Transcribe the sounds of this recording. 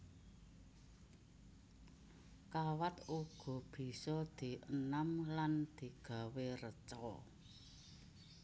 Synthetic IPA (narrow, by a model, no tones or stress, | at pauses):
kawat̪uɡ̥ɔ̤b̥i̤sɔd̪̥i̤ʔənamland̪̥i̤ɡ̥a̤werət͡ʃɔ